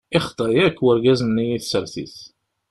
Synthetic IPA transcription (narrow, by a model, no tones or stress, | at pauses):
ɪχt̪ˤːɑjækːwəɾɡæznːijiθsəɾθḭθ